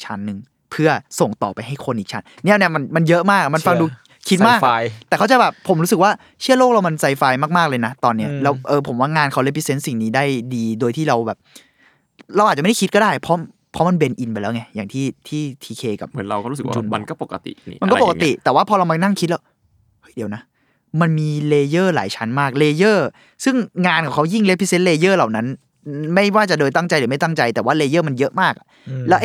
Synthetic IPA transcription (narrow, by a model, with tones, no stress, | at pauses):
t͡ɕʰa˦˥nːɯ˨˧ŋ | pʰɯ˥˩ɐso˨˩ŋt̪ɔ̰ː˨˩pa˧jɦa˥˩jkʰo˧nʔi˨˩k̚t͡ɕʰa˦˥n | ni˦˥˩ni˥˩˨ma˧nma˧njɤ˦˥ʔmaː˥˩k̚ma˧nfa˧ŋduː˧ | kʰi˦˥t̪̚maː˥˩ka˧jt̪ɛ˨˩kʰa˥˩t͡ɕa˧˩jbɛː˨˩pʰːo˩˦mɾu˦˥sɯ˨˩k̚waː˥˩ | t͡ɕʰɯ˥˩ɐloː˥˩k̚la˧wma˧nsa˧jfaː˧jmaː˥˩k̚maː˥˩k̚lɤː˧jna˦˥t̪ɔː˧nːi˦˥ɐlɛː˦˥wʔɤː˧pʰo˩˦mwaː˥˩ŋaː˧nkʰa˧˥˩le˦˥p̚ːi˦˥se˦˥nsi˨˩ŋniː˦˥daː˥˩jdiː˧doː˧jt̪ʰiː˥˩ɾa˧wbɛː˨˩p̚ | ɾa˧wʔaː˨˩t͡ɕːa˥˩a˥˩ki˦˥t̪̚kɔ˥˩daː˥˩jpʰɔ˦˥ | pʰɔ˦˥ma˧nbe˧nʔi˧npa˨˩lɛː˦˥wŋa˦˥jaː˨˩ŋt̪ʰiː˥˩t̪ʰiː˥˩t̪ʰiː˧kʰeː˧ka̰˨˩p̚ːɾa˧wkɔː˥˩ɾu˦˥s̚w̰a˧ma˧nkɔː˥˩po˨˩kːa˧t̪ḭ˨˩ḭ˦m˧nkɔ˥˧po˨˩ka˧t̪ḭ˨˩t̪ɛː˨˩waː˥˩pʰɔː˧ɾa˧wma˧na˥˩ŋkʰi˦t̪̚lɛː˦˥w | hɤ˦˥˩jdi˩˦wna˦˥ | ma˧nmiː˧leː˧jɤː˥˩la̰ː˩˦jt͡ɕʰa˦˥nmaː˥˩k̚leː˧jɤː˥˩ | sɯ˥˩ŋŋaː˧nkʰɔː˨˩ŋkʰa˦˥wji˥˩ŋle˦˥pʰːi˦˥se˦˥nleː˧jɤː˥˩la˨˩wna˦˥n | ma˥˩jwaː˥˩t͡ɕa˨˩dɤː˧jt̪a˥˩ŋt͡ɕa˧jlɯː˩˦ma˥˩jt̪a˥˩ŋt͡ɕa˧jt̪ɛː˨˩waː˥˩leː˧jɤː˥˩ma˧njɤ˦˥ʔmaː˥˩k̚ʔa˨˩ | lɛ˦˥wʔ